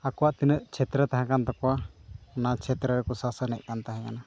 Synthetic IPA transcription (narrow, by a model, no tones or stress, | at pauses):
akɔwaʔt̪inəʔt͡ʃʰɛt̪ɾət̪aɦɛ̃kant̪ɔkɔwanat͡ʃʰɛt̪ɾəɾɛkɔsasanɛ̰ʔ̚kant̪aɦɛ̃kana